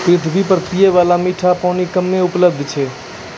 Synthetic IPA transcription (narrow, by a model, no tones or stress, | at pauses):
pɾɪt̪ʰbʱipəɾpijeʋalamiʈʰapɔnikəmːeʊpləb̚d̪ʱt͡ʃʰɛ